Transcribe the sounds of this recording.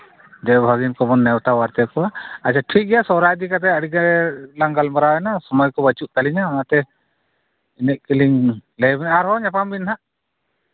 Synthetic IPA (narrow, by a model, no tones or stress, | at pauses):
d͡ʒɛbʱaɡinkɔbɔnːɛwt̪awaɾt̪ɛkɔwaat͡ʃʰaʈʰik̚ɡɛjasɔwɾajd̪ikat̪̬ɛəɽiɡaɾɛlaŋɡalmaɾawɛnasɔmɔjkɔbət͡ʃuʔ̚t̪aliɲaɔmat̪ɛ | inɛʔ̚kiliŋlɛbɛnaɾɦɔɲapambinɦaʔ